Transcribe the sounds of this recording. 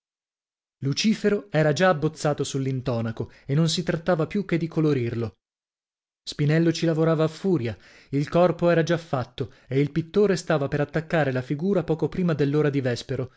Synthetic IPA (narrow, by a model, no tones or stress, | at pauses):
lut͡ʃiːfeɾoɛːɾad͡ʒaːbːot̪sːaːt̪osulːint̪ɔːnakoenːons̬it̪ɾat̪ːaːvapjuk̟ːed̪ːikoloɾirlo | spinɛlːot͡ʃilavoɾaːvaːfːuːɾja | ilkɔrpoɛːɾad͡ʒafːat̪ːo | eilpit̪ːoːɾest̪aːvapeɾat̪ːakːaːɾelafiɡuːɾapɔːkopɾiːmad̪elːoːɾad̪ivɛspeɾo